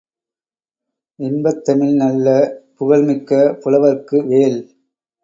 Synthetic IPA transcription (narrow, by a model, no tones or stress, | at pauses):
ɪmbɐt̪ːɐmɪlnɐlːɐpʊɣɐɭmɪkːɐpʊlɐʋɐɾkɯʋeːl